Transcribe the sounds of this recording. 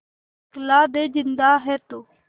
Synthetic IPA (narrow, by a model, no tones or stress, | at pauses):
klaːd̪eːd͡ʒɪnd̪aːɦɛːt̪oː